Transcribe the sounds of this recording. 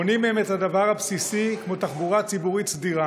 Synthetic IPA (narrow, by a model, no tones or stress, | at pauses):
onimemethad̪avaʁapsisikmo̞t̪aχbuʁat͡sibuʁit͡sd̪iʁa